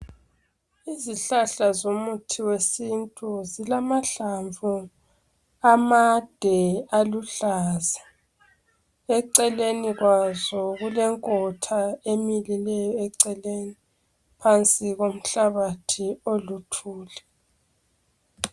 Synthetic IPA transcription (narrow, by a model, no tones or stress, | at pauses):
iziɬaɬazomutʰiwesintʼuzilamaɬaɱvu | amad̥ʱɛaluɬaːza | ɛǀɛleniɣwazɔɣulɛŋkʼɔtʰaemililɛjɔɛǀɛleni | pʰant͡sʼiɣom̩ɬaβatʰiolutʰuːlɛ